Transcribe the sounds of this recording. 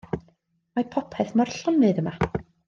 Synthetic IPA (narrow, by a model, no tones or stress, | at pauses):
mapʰɔpʰɛθmɔrɬɔnːɨːðəma